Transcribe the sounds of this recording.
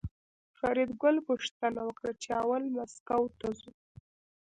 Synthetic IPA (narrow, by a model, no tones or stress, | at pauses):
faɾid̪ɡʊlpuʂt̪anawəkɽat͡ʃeawalmaskawt̪azu